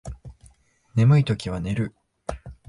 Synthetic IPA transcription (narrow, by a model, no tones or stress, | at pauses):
ne̞mɯ̟it̪o̞kʲiβ̞ane̞ɾɯ̟